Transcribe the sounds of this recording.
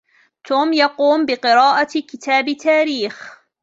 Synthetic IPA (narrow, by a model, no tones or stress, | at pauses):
t̪uːmjɑquːmbɪqɨɾɑːʔakɪt̪aːbɪt̪ʰːaːɾiːx